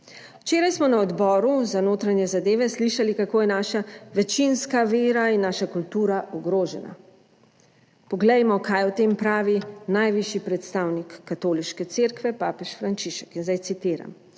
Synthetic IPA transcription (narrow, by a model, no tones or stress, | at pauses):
wt͡ʃeːɾajsmɔnaɔd̪bɔːɾuzanoːt̪ɾanjɛzad̪eːʋɛsliʃalikakoːjɛnaːʃaʋɛt͡ʃinskaʋeːɾainːaːʃakult̪uːɾaʔɔɡɾoːʒɛna̰ | pɔɡlɛjmɔkʰajɔt̪eːmpɾaːʋinajʋiʃipɾɛt̪st̪awnikːat̪oːliʃkɛt̪seːɾkʋɛpaːpɛʃfɾant͡ʃiʃɛ̥kinzd̪ajt̪sit̪iːɾa̰m